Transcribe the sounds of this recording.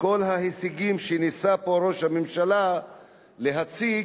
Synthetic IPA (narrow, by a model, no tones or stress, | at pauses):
ko̞lɦahisiɡimʃenisapo̞ɾo̞ʃhamimʃala | le̞ɦat͡si